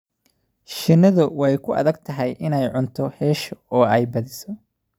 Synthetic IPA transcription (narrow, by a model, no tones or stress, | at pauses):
ʃɪnːɐðʊwɛjkʰʊʔɐ̰ðɐɡ̚t̪ʰɐɦɛjʔɪnɛjʕʊnt̪ʰɔhɛːʃɔɔːɛjbɐðɪsɔ